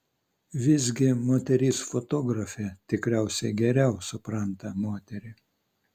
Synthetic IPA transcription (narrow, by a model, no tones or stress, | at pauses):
ʋʲɪzʲɡʲɪmoːt̪ʲɛɾʲiːsfot̪oːɡɾɐfʲɛt̪ʲɪkɾʲæˑʊsʲɛɡʲɛɾʲɛʊsʊpɾɐnt̪ɐmoːt̪ʲɛɾʲɪ